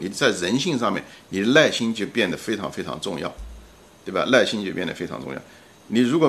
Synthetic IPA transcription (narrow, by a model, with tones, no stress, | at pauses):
ni˨˩t͡sa˥˩ɪɻə˧˥nɕi˥˧ŋʂɑ˥˧ŋmjɛ̰˥˩nni˨˩˦la˥˩ɪɕi˥ŋt͡ɕjo˥˧ʊpjɛ˥˩nd̪ə˩fe˥ɪʈ͡ʂʰɑ̰˧˥ŋfe˥ɪʈ͡ʂʰɑ̰˧˥ŋʈ͡ʂʊ˥˧ŋjɑ˥˩ʊ | tt̪we˥˩ba̰˩la˥˩ɪɕi˥ŋt͡ɕjo˥˧pjɛ˥˩nd̪ə˩fe˥ɪʈ͡ʂʰɑ̰˧˥ʈ͡ʂʊ̰˥˧ŋjɑ̰˥˩ʊ | ni˨˩ɻu˧˥kwɔ˨˩